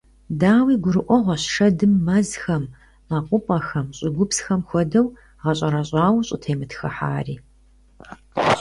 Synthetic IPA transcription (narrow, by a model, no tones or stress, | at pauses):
daːwiːɡʷʊɾɨʔʷɔʁʷɐɕʂɐdɨmːɐzxɐmː | aqʷʊpʼɐxɐmɕʼɪɡʷʊpsxɐmxʷɔdɐw | ʁɐɕʼɐɾɐɕʼɑːwɕʼɪtʰeːmɨtxɐħa̰ːriː